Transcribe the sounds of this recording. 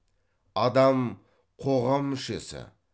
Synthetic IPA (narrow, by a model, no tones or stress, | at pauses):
ɑd̪ɑm | qʰo̞ʁɑmːʏʃe̞sɪ̰